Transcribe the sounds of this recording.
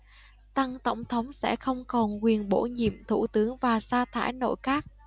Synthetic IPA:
t̪a˧ŋt̪ə˧˩wŋ͡mt̪ʰə˨˦wŋ͡msɛ̰˧˥xə˧wŋ͡mkɔ˨˩nkwi˨˩ənɓo̰˧˥ɲḭ˧˨əmt̪ʰṵ˧˩t̪ɨ˨˦əŋvaː˨˩saː˧t̪ʰa̰ː˧˥jno̰˧˥˨jkaː˦˥k̚

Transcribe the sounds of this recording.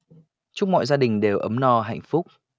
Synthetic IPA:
t͡ɕʊ˦˥k͡p̚mɔ̰ː˧˨jzaː˧ɗï˨˩ŋ̟ɗe˨˩wʔə˨˦mnɔ˧˩ɦa̰˧˨jŋ̟fʊ˦˥k͡p̚

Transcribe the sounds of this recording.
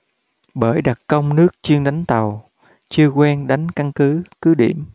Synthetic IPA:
ɓəː˧˩jɗa˨˩t̚kə˧wŋ͡mnɨ˦˥ək̚t͡ɕi˧əŋɗa˨˦jŋ̟t̪ə˨˩w | t͡ɕɨ˧əkwɛ˧nɗa˨˦jŋ̟ka˧nkɨ˨˦kɨ˨˦ɗḭ˧˩əm

